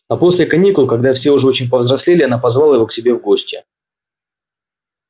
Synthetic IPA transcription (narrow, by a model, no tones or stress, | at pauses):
ɐpo̞sʲlʲɪkɐnʲikʊlˠkɐɡd̪afsʲeʊʐɛot͡ɕɪnʲpəvzɾɐsʲlʲelʲɪɐn̪apɐzvalˠəjɪvo̞ksʲɪbʲe̞vɡo̞sʲtʲɪ